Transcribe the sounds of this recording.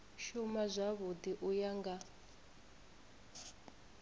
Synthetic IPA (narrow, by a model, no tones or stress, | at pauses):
ʃumazʷaβud̪iʔujaŋɡa